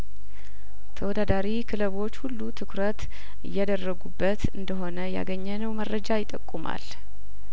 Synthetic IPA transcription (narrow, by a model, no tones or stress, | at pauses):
t̪ʰəwɔd̪ad̪aɾikʰɨləβo̞t͡ʃːhulːut̪ʰɨkɾət̪ | ɨjːɛd̪ərːəɡubːət̪ɨnd̪əɦo̞nəja̰ɡəɲːɛnəwmərːəd͡ʒajɪt̪ʼːəkʼːuma̰l